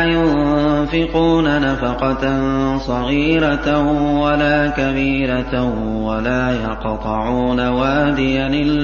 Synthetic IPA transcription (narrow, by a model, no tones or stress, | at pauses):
jʊnfɪquːnanafɑqɑtnsˤɑɣiːɾawalaːkabiːɾa | walaːjɑqt̪ˤɨʕuːnawaːd̪ɪjanɪlː